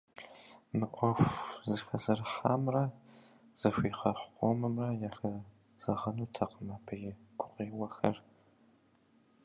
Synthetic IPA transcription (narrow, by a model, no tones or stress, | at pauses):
mɨqʷʼɔfʷzɨxɐzɐrħaːmrɐ | z̥ɐɕʷiːqɐħʷqʷʼɔmɨmrɐjaxɐ | z̥ɐʁɐnuːtʰɐqəmɐpʰɨjɪɡ̥ʷʊqiːwɐxɐr